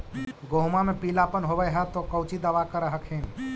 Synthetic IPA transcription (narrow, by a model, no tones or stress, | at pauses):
ɡoɦumamepilapənɦobəjɦət̪ɔkəwt͡ʃid̪aʋakəɾəɦəkhin